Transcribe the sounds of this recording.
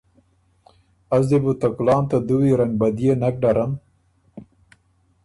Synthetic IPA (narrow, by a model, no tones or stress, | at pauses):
azd̪ibut̪akulɑːnt̪ad̪uwiɾɐŋbɐd̪ijenak̚ɖaɾam